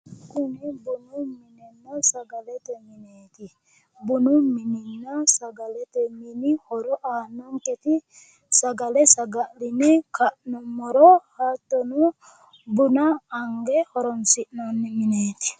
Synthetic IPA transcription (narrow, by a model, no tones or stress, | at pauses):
kunibunumininːasaɡalet̪eminet̪i | bunumininːasaɡalɛt̪eminihɔɾɔʔanɔŋket̪i | saɡalɛsaɡaʔlinikʰaʔnɔmɔɾɔhat̪onu | bunaːŋɡehɔɾɔnsiʔnɔnːɛminet̪i̥